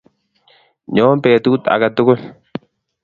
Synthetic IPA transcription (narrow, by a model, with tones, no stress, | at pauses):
ɲoː˦mpeː˨t̪uːt̪ɐ̰˨ɡɐ˨d̪ːʊ˦kʊ˦n